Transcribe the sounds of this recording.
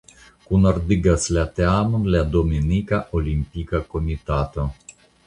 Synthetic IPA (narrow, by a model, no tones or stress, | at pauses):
kunord̪iɡaslat̪eamənlad̪ominikaʔolʲimpʲikakomit̪at̪ə